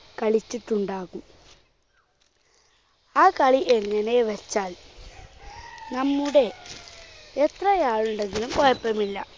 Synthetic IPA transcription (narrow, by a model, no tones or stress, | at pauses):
kɐɭit͡ɕːiʈːuɳɖaːɣum | aːkɐɭiʔeŋːɐneʋɐt͡ɕːaːl | nɐmːuɽe̞ | et̪rɐjaːɭuɳɖe̞nɡ̪ilumkojɐpːɐmilːɐ